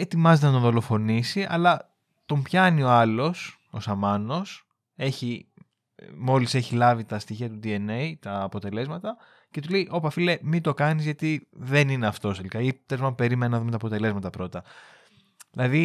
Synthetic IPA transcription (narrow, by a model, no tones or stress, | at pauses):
e̞t̪imɐzet̪enɐt̪oðo̞lo̞fo̞nisiʔɐ̰lɐ | t̪o̞mpçɐnio̞ɐlo̞s | o̞sɐmɐno̞s | eçi | mo̞lise̞çilɐvit̪ɐst̪içiɐt̪ud̪ie̞nejt̪ɐːpo̞t̪e̞le̞zmɐt̪ɐ | ce̞t̪ule̞iʔo̞pɐfile̞mit̪o̞kɐnizʝɐt̪iðe̞nineɐft̪o̞st̪elikɐit̪ezmɐmpe̞ɾimenɐnɐðume̞t̪ɐpot̪e̞le̞zmɐt̪ɐpɾo̞t̪ɐ | ðilɐði